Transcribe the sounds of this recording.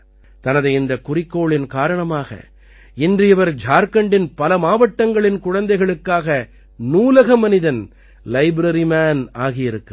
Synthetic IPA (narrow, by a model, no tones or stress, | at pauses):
t̪ɐnɐðɐɪnd̪ɐkʊrɪkːoːɭɪnkaːɾɐɳɐmaːɣɐ̰ | ɪndrɪjɐʋɐɾd͡ʒʱaːɾkɐɳɖɪnpɐlɐmaːʋɐʈːɐŋɡɐɭɪnkʊɻɐnd̪ɐɪɣɐɭɯkːaːɣɐ | nuːlɐɣɐmɐnɪðɐn | lɐɪbɾɐɾimaːnaːɣɪjɪɾɯkːɯ